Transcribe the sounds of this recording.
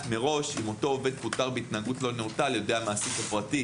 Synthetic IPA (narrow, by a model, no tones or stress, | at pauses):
me̞ʁo̞ʃimo̞to̞ːve̞d̪̚put̪aʁbeit̪naɡutlo̞notaljode̞jamaːsitafʁati